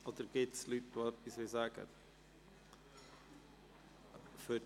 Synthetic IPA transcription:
ʔod̪əɾɡ̥ɪtslytʋoɛpisʋɪlsæːɡ̥ə̰ | fø

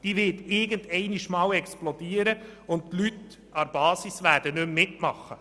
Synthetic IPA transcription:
d̥iːʋɪtɪɡəndɛɪniʃmɑːwɛksplɔdiːəɾəʊnt̚tlyt | ɑɾb̥ɑːsisvæːd̥ənɵmːɪtmɑχːə

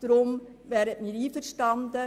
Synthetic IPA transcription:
d̥̪əɾʊm | vɛːɾətmiɾiːfəɾʃtɑnd̪ə

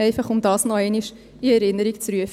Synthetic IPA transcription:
ɛɪfaχʊmd̪ɑːsnɔɛɪniʃ | iɛɾɪnəɾikt͡sɾyəf

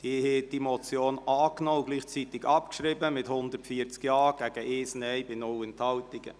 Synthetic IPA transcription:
d̥iheːtd̥imɔt͡sjoːnɑːknɔːʊɡliːχt͡sit̪ɪɡɑpkʃrɪbəmɪthʊnd̪ətfiəɾt͡skjɑːɡ̥æɡ̥əʔɪːsnɛɪbɪnʊlɛnthɑltɪɡə̰

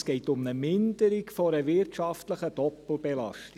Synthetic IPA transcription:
sɡ̥ɛɪtʊmnəmɪndəɾikfɔɾəʋɪrtʃɑftləχəd̥ɔpl̩bɛlɑ̰ʃti

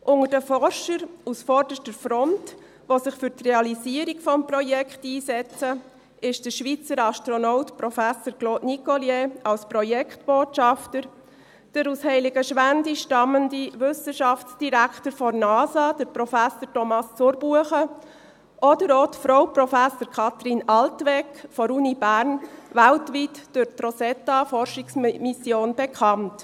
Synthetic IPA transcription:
ʔʊŋədəfɔɾʃəɾusfɔrd̥əʃtəɾfɾɔnt | ʋosɪχfʏɾtreɑliziəɾikfɔmprɔjɛkχtiːsɛt͡sə | ɪʃd̥əɾʃʋit͡səɾɑʃtɾɔnɔʊtpɾɔfæsəɾkloːdnikɔljeɑlspɾɔjɛkχtb̥oːtʃɑftəɾ | d̥əɾushɛɪlɪɡəʃʋændiʃtɑməndiʋʏsəʃɑft͡sd̥iɾækʰtəɾfɔnɑːsɑd̥əpɾɔfæsəɾtɔmɑst͡sʊɾb̥uəχə | ʔɔdəɾoːtfɾoʊprɔfæsəɾkʰɑt̪ɾinɑltʋɛkfɔɾunibæɾnʋæltʋitd̥ʊɾtrɔsɛtːɑfɔrʃiksmisjoːnb̥ɛkʰɑnt

